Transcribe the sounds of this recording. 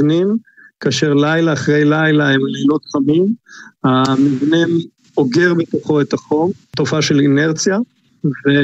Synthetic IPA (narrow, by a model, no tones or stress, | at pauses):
nim | kaːʃe̞ʁlajlaːχʁejlajlaemlelo̞t̪χamimhamivnim | oɡe̞ʁbet̪o̞χo̞e̞t̪aχo̞mto̞faʃe̞line̞ʁt͡sija | ve